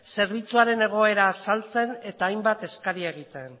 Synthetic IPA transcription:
se̞ɾβ̞it͡suaɾe̞ne̞ɣ̞o̞e̞ɾaːsalt͡se̞ne̞t̪aːjmbat̪e̞skaɾieɣ̞it̪e̞n

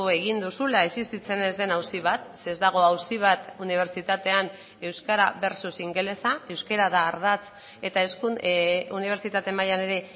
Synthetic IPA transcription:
e̞ɣ̞ind̪usulaesist̪it͡se̞ne̞zd̪e̞nawsiβ̞at̪seːzd̪aɣ̞o̞awsiβ̞at̪uniβ̞e̞ɾt͡ʃit̪at̪e̞an | e̞wskaɾaβe̞ɾsusiŋɡe̞le̞sae̞wske̞ɾaðaːɾðat͡s | e̞t̪aeskuuniβ̞e̞ɾt͡sit̪at̪e̞majane̞ɾe̞

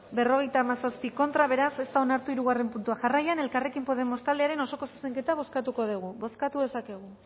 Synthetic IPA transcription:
be̞ro̞ɣ̞e̞jt̪aːmasaspiko̞nt̪ɾaβ̞e̞ɾase̞st̪aonaɾt̪uiɾuɣ̞are̞mpunt̪uaʝarajane̞lkare̞kimpo̞ðemo̞st̪ald̪eaɾe̞no̞so̞ko̞su̥seŋke̞t̪aβ̞o̞skat̪uko̞ð̞uɣ̞uβo̞skat̪uðe̞sake̞ɣ̞u

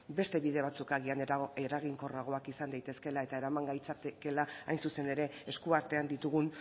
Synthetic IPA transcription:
be̞st̪e̞βiðe̞β̞at͡sukaɣianeɾaɣiŋko̞raɣ̞o̞akisand̪ajt̪e̞ske̞lae̞t̪ae̞ɾamaŋɡajt͡sat̪eke̞laajnsuse̞ne̞ɾe̞ːskuaɾt̪e̞and̪it̪uɣ̞un

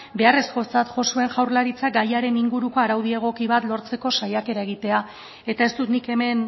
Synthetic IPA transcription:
be̞are̞sko̞t͡sat̪ʝo̞sue̞ŋʝawɾlaɾit͡sak̚ɡajaɾe̞niŋɡuɾuko̞aɾawð̞ie̞ɣ̞o̞kiβ̞at̪lo̞ɾt͡se̞ko̞sajake̞ɾae̞ɣ̞it̪e̞a | e̞t̪ae̞st̪ut̪nike̞me̞n

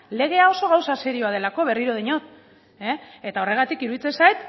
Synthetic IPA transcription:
le̞ɣ̞e̞ao̞so̞ɣ̞awsase̞ɾio̞aðe̞lako̞βe̞riɾoð̞eɲot̪ | eet̪ao̞re̞ɣ̞at̪ikiɾuðit͡se̞sajt̪

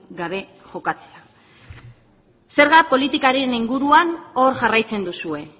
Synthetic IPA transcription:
ɡaβe̞ | ʝo̞kat͡se̥a | se̞ɾɣapo̞lit̪ikaɾe̞niŋɡuɾuano̞ɾʝarajt͡se̞nd̪usue̞

